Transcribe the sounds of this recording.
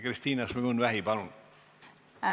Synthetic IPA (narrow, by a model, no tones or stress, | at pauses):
krist̪iːnɑsmiɡunvæɦibɑlun